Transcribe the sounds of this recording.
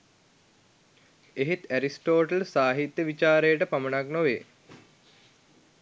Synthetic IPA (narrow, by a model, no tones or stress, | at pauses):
eɦit̪æɾisʈoːʈəlsaːɦit̪jəʋit͡ʃaːɾejəʈəpamənaknoʋeː